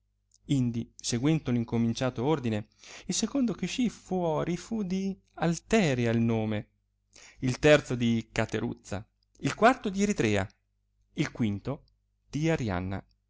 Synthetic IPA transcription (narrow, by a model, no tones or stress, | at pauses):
ind̪iseɡwɛnt̪oliŋkomint͡ʃaːt̪oord̪ineilsekond̪ok̟iʃifuɔːɾifud̪i | alt̪ɛːɾjailnoːme | ilt̪ɛrt̪sod̪ikat̪eɾṵt̪sːa̰ | ilkwart̪od̪iɛɾit̪ɾɛːa̰ | ilkwint̪o | d̪̥iaɾja̰nːa̰